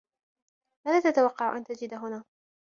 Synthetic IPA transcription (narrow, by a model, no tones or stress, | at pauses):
maːðaːt̪at̪awɑqːɑʕʊ̰ʔa̰nt̪ad͡ʒɪd̪aɦʊnaː